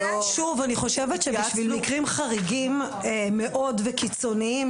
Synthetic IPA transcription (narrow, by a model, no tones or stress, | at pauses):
ʃuvaniχo̞ʃevetʃeʃvilmikʁimχaʁiɡim | emːeʔo̞dvekit͡so̞niiim